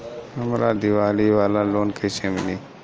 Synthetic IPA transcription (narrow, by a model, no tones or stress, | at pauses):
ɦəmɾa̰ːd̪iʋaːliʋaːlaloːnkʰeseminiː